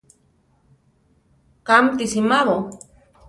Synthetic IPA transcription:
kamt̪isimaβo

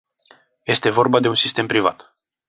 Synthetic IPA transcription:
je̞st̪e̞vo̞rbad̪e̞unsist̪e̞mpɾiva̰t̪

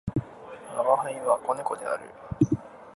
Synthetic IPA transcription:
mamahẽĩβako̞neko̞d̪e̞̰a̰ɾɯ̟̰

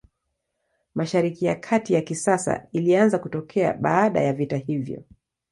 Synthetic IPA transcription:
maʃaɾikijakʰatijakisasa̰ilianzakutɔkʰɛa̰ɓaːɗa̰javitahivjɔ̰

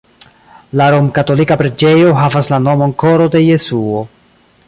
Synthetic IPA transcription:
laɾo̞mkato̞likapɾed͡ʒe̞jo̞ɦavaslano̞mo̞nko̞ɾo̞de̞je̞suo̞

